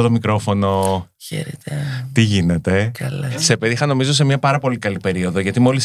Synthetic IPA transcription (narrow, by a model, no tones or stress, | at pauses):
ot̪o̞mikɾo̞fo̞no̞çḛɾet̪et̪iʝine̞t̪e̞kɐlsepeðixɐno̞mizo̞s̬e̞mɲɐpɐɾɐpo̞likɐlipe̞ɾio̞ðoʝɐt̪imo̞lis